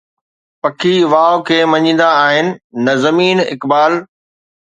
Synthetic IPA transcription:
pɐkʰiʋaːokʰeːmɐɲĩːn̆d̪aːɦɪnɪ̆ːɐzɐmiːnɪ̰kbaːl

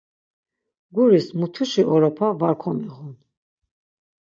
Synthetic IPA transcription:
ɡuɾismut̪ʰuʃiʔɔɾɔpʰavaɾkʰɔmiʁun

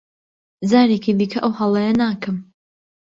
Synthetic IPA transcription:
zaːɾeːkʰibiːkʰɐʔɐwhɐlˠɐjɐnaːkɨm

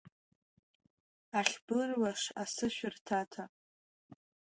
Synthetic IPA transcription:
aχʲbɨrwaʂasɨʃᶣʏrtʰatʰa

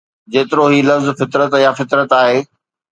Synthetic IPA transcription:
d͡ʑeːt̪ɪɾoɦiːlɐfzfɪt̪ɾət̪jafɪt̪ɾət̪aːɦeː

